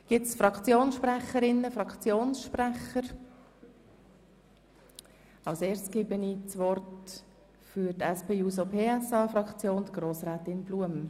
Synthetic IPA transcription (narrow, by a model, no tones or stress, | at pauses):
ɡ̥ɪsfɾɑkt͡sjoːnsʃprɛχəɾɪnːəfɾɑkt͡sjoːnsʃpræχəɾ | ɑʊseːɾstɡ̥ɪbənit͡sʋɔrt | fyɾtɛspeːuːsopʰeːɛsɑːfɾɑkt͡sjoːnd̥̪ɡ̥ɾoːsrɛːt̪ɪnbluəm